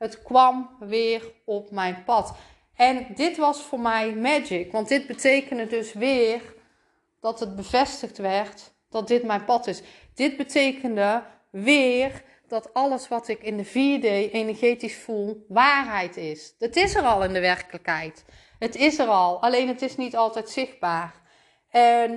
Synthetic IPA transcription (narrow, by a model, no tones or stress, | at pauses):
ɦətkʋɑmʋɪːɹɔpmɛjnpɑt | ɛndɪtʋɑsfʊːɹmɛjmɛd͡ʒɪkʋɑndɪd̚bətejkəndədɵsʋɪːr | d̥ɑtɦəd̚bəv̥ɛstəxtʋɛɹt | d̥ɑt̚dɪtmɛjnpɑtɪs | d̥ɪd̚bətʰejkəndə | ʋɪːr | d̥ɑtɑləsʋɑtɪkɪndəvidejʔenəɹɣejtisfulˠʋaːrɦɛjtɪstɪsərɑlˠɪndəʋɛrkələkɦɛjt | ɦətɪsərɑlˠɑlejnɦətɪsnitɑlˠtɛjtsɪxd̚baːr | ɛn